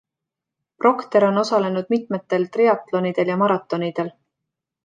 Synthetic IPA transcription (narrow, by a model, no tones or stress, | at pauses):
pro̞kt̪e̞ɾo̞no̞sɑle̞nud̪̥mit̪ˑme̞t̪ːe̞lt̪riɑt̪ˑlo̞nid̪̥e̞ljɑmɑɾɑt̪ːˑo̞nid̪̥e̞l